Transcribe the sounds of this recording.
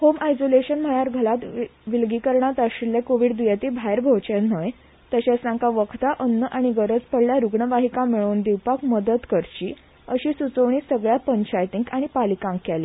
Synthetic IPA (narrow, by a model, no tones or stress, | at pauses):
homajsoleɕənm̤əɭaɾɡʱəlat̪ʋilɡiːkəɾɳat̪aɕiljakoʋiːɖd̪ujat̪iːbʱajɾbʱot͡ɕen̤əj | t̪əɕasãŋkaʋəkʰt̪aʔənːəʔaɽ̃iɡəɾəd͡zpəɽljaɾuɡɳəʋaɦikãmiɭoːnd̪iʋpakməd̪ət̪kəɾt͡ɕiː | əɕiːsut͡səʋɳ̃iːsəɡɭjapəɲt͡ɕajt̪iŋkaɽ̃ipalikãŋkjale